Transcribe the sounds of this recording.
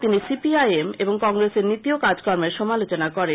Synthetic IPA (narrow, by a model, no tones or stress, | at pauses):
t̪inisipiajemeboŋkɔŋɾeseɾnit̪iokad͡ʑkɔɾmeɾʃɔmalot͡ɕonakɔɾe